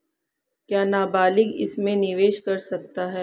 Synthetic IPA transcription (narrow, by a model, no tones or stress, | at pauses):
kjaːnaːbaːlɪɡɪ̰smẽnɪʋeːʃkɐɾsɐk̚t̪aɦɛː